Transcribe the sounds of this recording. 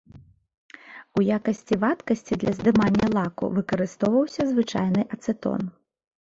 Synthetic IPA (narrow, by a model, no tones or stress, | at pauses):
ujakɐsʲt͡sʲivat̪kɐsʲt͡sʲid̪lʲɐzd̪ɨmanʲːɐlˠakṵvɨkɐɾɨst̪ɔwvɐwsʲɐzvɨt͡ʂa̰jnɨʔɐt̪sɨt̪ɔ̰n